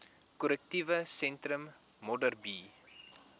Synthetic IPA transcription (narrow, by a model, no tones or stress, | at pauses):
kɔlək̚tivəsɛntɾəmː | ɔdərbiː